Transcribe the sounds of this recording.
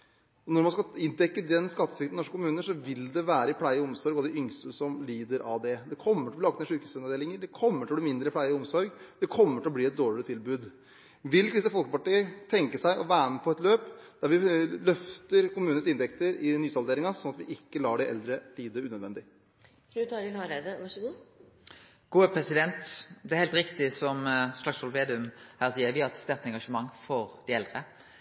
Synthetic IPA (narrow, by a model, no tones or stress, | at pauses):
ɔnɔɾmɑnskɑɪnt̪ɛkːəd̪ɛnskɑt̪ːəsʋɪkt̪n̩ɔʂkə̥kʰʊmʉːnəʂɔʋɪld̪ɛʋæːɾəɪpʰlæɪəɔmsɔɾɡɔɑd̪ɛʔʏŋst̪əsɔmliːd̪əɾʔɑʋd̪ɛd̪ɛkʰɔmːəʈ̪ɪlɔblɑɡ̚k̪t̪meɛʂʉːkʉsɛnɑd̪eːlɪŋəɖɛkʰɔmːəʈɪlɔbliːmɪnd̪ɾəpʰlæɪəɔmsɔɾɡd̪̥ɛkʰɔmːəʈʰɪlɔb̪iːɛt̪̚d̪oːɭɪɾət̪ʰɪlbʉːd̪ | ʋɪlːkɾɪsəfɔlkəpɑʈiːət̪ʰɛŋkəsæɪʔɔʋæːnəpʰɔɛt̪løːpd̪̥æɾʋɪlœft̪əɾkʊmʉːnən̩sɪnt̪ɛk̚t̪əɾɪnyːsɑld̪eːɾɪŋɑsɔnɑt̪ʋɪʔɪkːəlɑːɖɪʔɛ̰ld̪ɾət̪iːd̪əʉːnœd̪ʋɛnd̪ɪ | fɾʉːt̪ʰɑːɾɪnɑɾed̪əʋɑʂəɡuː | ɡ̥uːəpʰʁɛsɪd̪ɛnt̪d̪ɛæɾhɛːlt̪ɾɪkt̪ɪsɔmslɑksɔlʋeːd̪ɪʉmhæːʁsiːəɾʋɪhɑʁɛt̪st̪æʁt̪ɛŋɡɑʂəmɑŋːfɔʁd̪æɪɛld̪ʁə